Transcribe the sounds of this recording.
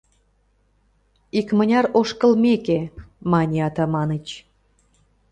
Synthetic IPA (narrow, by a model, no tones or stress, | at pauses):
ikmənʲɑɾoʃkə̆lmekemɑnʲeɑt̪ɑmɑnət͡ɕ